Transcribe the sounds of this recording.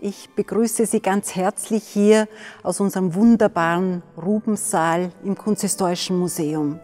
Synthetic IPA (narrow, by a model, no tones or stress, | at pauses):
ʔɪçb̥əɡ̥ʁyːsəziːɡant͡shɛɐt͡slɪçhiːɐaʊsʊnzəʁəmvʊndɐbaːʁənʁuːbm̩z̥aːlɪmkʰɔnt͡sɛstɔːɪʃn̩muzeːʊm